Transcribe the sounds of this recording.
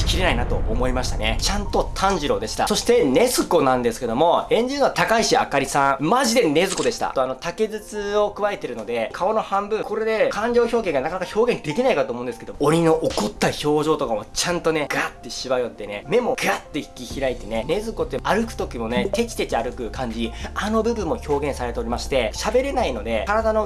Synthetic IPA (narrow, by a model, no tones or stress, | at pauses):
kʲiɾe̞nainat̪o̞omo̞imaɕi̥t̪ane̞t͡ɕãnt̪o̞t̪ʰãɲ̟d͡ʑiɾo̞d̪e̞ɕi̥t̪a̰so̞ɕi̥t̪e̞ne̞zɨko̞nãnd̪e̞sɨ̥ke̞d̪o̞mo̞ẽ̞ɲ̟d͡ʑiɾɯno̞at̪akaiɕia̰kaɾʲisãɰ̃maʑid̪e̞ne̞zɨko̞d̪e̞ɕi̥t̪a̰t̪oano̞t̪ake̞zɨt͡sɨo̞kɯ̟βae̞t̪e̞ɾɯ̟no̞d̪e̞kʰao̞no̞hãmbɯ̟̃ko̞ɾe̞d̪e̞kãɲ̟d͡ʑo̞ːço̞ːɡẽ̞ŋɡanakanakaçʲo̞ːɡẽ̞nd̪e̞kʲinaikat̪oːmõnd̪esɨkeooɾʲino̞ʔokot̪ːaço̞ːʑo̞ːt̪o̞kamo̞t͡ɕãnt̪o̞ne̞ɡ̥ɯ̟at̪ːe̞ɕiβajo̞t̪ːe̞ne̞me̞mo̞ɡ̥ɯ̟ɾat̪ːe̞çi̥kʲiçiɾait̪e̞ne̞ne̞zɨko̞t̪ːeaɾɯ̟kɯ̟̥t̪o̞kʲimo̞ne̞t̪e̞t͡ɕi̥t̪e̞t͡ɕiaɾɯ̟kɯ̟kãɲ̟d͡ʑiano̞bɯ̟bɯ̟̃mːo̞ço̞ːɡẽ̞ɰ̃saɾe̞t̪e̞o̞ɾʲimaɕi̥t̪e̞ɕabe̞ɾe̞naino̞d̪e̞kaɾad̪ano̞